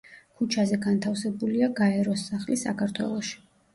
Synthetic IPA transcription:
kʰut͡ʃʰazɛɡant̪ʰafsɛbuliaɡaɛɾɔsːaχlisa̰kʰaɾt̪ʰwɛ̰lˠɔʃi̥

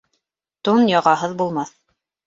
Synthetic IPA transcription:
t̪unjɑʁɑɦɤðbulˠmɑθ

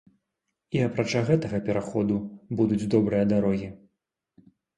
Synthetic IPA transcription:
iɐpɾat͡ʂaɣɛt̪ɐɣɐpʲɛɾaxɔd̪ubud̪ud͡zʲd̪ɔbɾɨjɐd̪aɾɔɣʲi

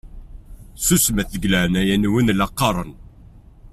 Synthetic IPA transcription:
susmæθəɡləʕnæjænwinlɑqːɑɾˤən

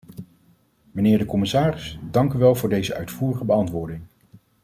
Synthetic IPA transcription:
mənɪːɹdəkɔmɪsaːrɪsdɑŋkyʋɛlˠvʊːɹdejzəʔœ̰ɥtfuːrəχəbəɑntʋʊːɹdɪŋ

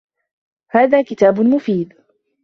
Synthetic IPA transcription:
haːðaːkɪt̪aːbʊmʊfiːd̪

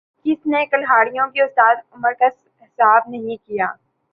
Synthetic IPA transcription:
kɪsnekɐlɦaːɽijõkiʊst̪aːd̪ʊməɾkɐs | ɦɪsaːbnɐɦĩkijaː

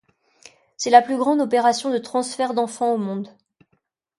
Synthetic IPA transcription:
sɛlaplyɡʁɑ̃d̪ɔpeʁasjɔ̃d̪ət̪χɑ̃sfɛʁd̪ɑ̃fɑ̃omɔ̃d̪

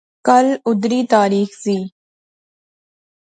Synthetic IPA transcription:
kɐlʊd̪ɾiːt̪aːɾiːxziː

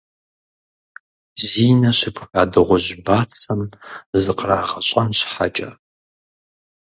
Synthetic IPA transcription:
ziːnɐɕɪpʰxaːdɨʁʷʊʑbaːt͡sʰɐmzɨqraːʁɐɕʼɐnɕħa̰t͡ʃʼɐ

